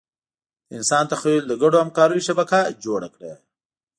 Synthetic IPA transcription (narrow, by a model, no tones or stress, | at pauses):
ɪnsɑnt̪axwild̪əɡaɽohamkɑɾojiʃabakad͡ʒoɽakɽḛ